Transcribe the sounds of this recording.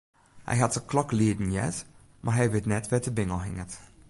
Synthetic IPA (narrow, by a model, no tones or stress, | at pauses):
hɛ̰jɦatsəklɔkliədn̩jɛ̰t | mʔaɹɦɛjʋɪtnɛtʋɛtəbɪŋəlˠɦɪŋət